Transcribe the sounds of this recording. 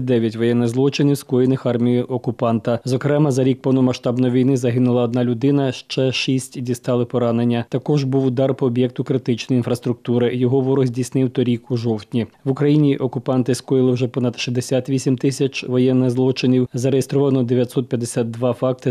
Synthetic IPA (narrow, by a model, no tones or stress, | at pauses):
d̪ɛʋʲjɐtʲʋɔjɛnːɪzlˠɔt͡ʃɪnʲiwskɔjɪnɪxɑrmʲijiʔɔkʊpɑnt̪ɐzɔkɾɛmɐzɐɾʲik̚pɔwnɔmɐʃt̪ɑbnɔjiʋʲijnɪzɐɦɪnʊlˠɐɔd̪nɑlʲʊd̪ɪnɐʃt͡ʃɛʃisʲtʲdʲist̪ɑlˠɪpɔɾɑnenʲːɐt̪ɐkɔʒbuwʊd̪ɑrpɔːbʲjɛk̚t̪ʊkɾɪt̪ɪt͡ʃnɔjinfɾɐst̪ɾʊk̚t̪uɾɪjɔɦɔʋɔɾɔzʲdʲisnɪwt̪ɔɾʲikuʒɔwt̪ʲnʲiʋʊkɾɐjinʲiʔɔkʊpɑnt̪ɪskɔjɪlˠɪwʒɛpɔnɐd̪ʃizd̪esʲat̪ʋʲisʲimt̪ɪsʲɐt͡ʃʋɔjɛnːɪzlˠɔt͡ʃɪnʲiwzɐɾejest̪ɾɔʋɐnɔd̪eʋʲjɐt̪ʲsɔt̪̚pʲjɐd̪esʲat̪̚d̪ʋɑfɑk̚t̪ɪ